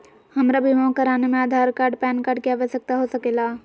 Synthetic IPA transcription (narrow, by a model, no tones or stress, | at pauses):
hɐmɾabʱimãːkəɾaːnemẽaːd̪ʱaːɾkaːɾɖpɛːnkaːɾɖ̚kjaʋesək̚t̪aɦosɐkeːlaː